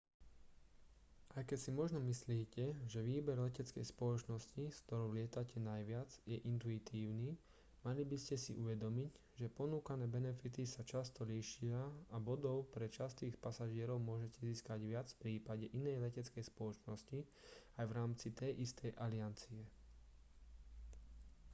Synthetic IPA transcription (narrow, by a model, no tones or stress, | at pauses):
ʔajkɛcsimɔʒnɔmisliːcɛʒɛʋiːbɛɾlɛcɛt͡skɛ̰jspɔlɔt͡ʃnɔsciskt̪ɔɾɔʊlɪɛt̪acʰɛnajʋɪad͡zjɛʔint̪uit̪ʰiːʊniː | malibiscɛsḭʔuʋɛd̪ɔmic | ʒɛpɔnuːkanɛːbɛnɛfit̪isat͡ʃast̪ɔliʃɪaabɔd̪ɔʊpɾɛt͡ʃast̪iːxpasaʒɪɛɾɔʊmʊɔʒɛcɛziːskaɟʋɪat͡sfpɾiːpaɟɛʔinɛjlɛcɛt͡skɛjspɔlɔt͡ʃnɔsci | ajʋɾaːmt͡sit̪ɛjʔist̪ʰɛjʔaliant͡siɛ